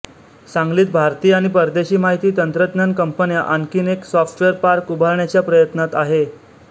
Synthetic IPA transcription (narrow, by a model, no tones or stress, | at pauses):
sãŋɡliːt̪̚bʱaɾt̪iːaɽ̃ipəɾd̪eɕiːmaɦit̪iːt̪ənt̪ɾət̪nənkəmpənjaʔənkiːneksɔfʈʋeəɾpaɾkubʱaɾɳjat͡ɕjapɾəjət̪nat̪aɦe